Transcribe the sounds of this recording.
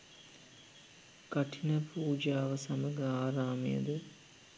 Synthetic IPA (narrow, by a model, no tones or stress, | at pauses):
kɐʈʰinəpuːd͡ʒaːʋəsɐməɡəaːɾaːmijə̰d̪ə